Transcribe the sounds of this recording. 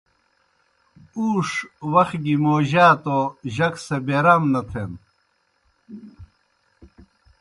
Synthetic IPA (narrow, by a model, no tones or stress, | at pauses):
uːʂwɐxɡimoːʑaːt̪oʑɐksɐbeɾɐmnɐt̪ʰen